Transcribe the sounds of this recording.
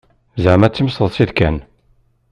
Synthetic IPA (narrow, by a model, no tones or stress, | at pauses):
zʕmæt͡sːəmsəðˤsiðkæn